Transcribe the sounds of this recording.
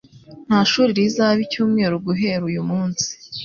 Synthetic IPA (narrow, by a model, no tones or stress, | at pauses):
n̥haʃuːɾiɾizaβicuːmŋe̞ːɾuɡuɦe̞ɾujumuːnsi̥